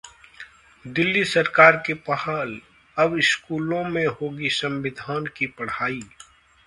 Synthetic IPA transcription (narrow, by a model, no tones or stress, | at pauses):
d̪ɪlːisɐɾkaːɾkepahaːl | ɐbɪskuːlõmẽɦoːɡisɐ̃mʋɪd̪ʱaːnkipɐɽ̤aːiː